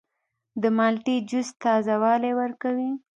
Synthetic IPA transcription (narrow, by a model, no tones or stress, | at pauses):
d̪əmɑlʈid͡ʒʊst̪ːɑzawɑlewəɾkawi